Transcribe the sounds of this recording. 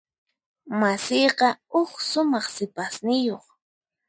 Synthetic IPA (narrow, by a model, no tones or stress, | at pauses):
masɪjqɑʊksʊmɑχsɪpasnɪjoχ